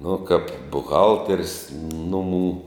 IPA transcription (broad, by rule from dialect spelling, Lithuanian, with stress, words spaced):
nʊ kɐp bʊˈɣɐlʲtʲɛrs ˈnʊmuː